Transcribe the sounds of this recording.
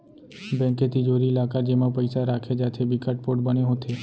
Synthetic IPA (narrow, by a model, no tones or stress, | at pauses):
bɛ̃ŋket̪id͡ʒoɾilakad͡ʒemãpəjsaɾakʰed͡ʒat̪ʰebikʰaʈ̚poʈbəneɦõt̪ʰe